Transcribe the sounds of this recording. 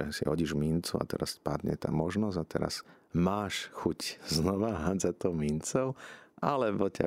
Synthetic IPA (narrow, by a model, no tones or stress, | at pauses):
ɛsiɦɔɟiʒmint͡sua̰t̪ɛ̰ɾaspad̪ɲɛ̰t̪a̰ːmɔʒnɔzat̪ɛ̰ɾa̰s | maːʃxucznɔʋaɦad͡zat̪ɔʊmint͡sɔʊʔalɛbɔca̰